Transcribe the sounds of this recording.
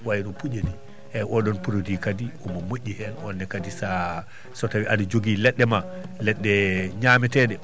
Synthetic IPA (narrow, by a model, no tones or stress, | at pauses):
wajinɔpud͡ʒeni | ʔɛʔɔɗɔnpuɾodikadiɔmɔmoʔʲːihɛnɔ̰nːɛkadisa | sɔtawiʔadud͡ʒoɡilɛɗːɛma | lɛɗːɛɲamɛtɛɗɛ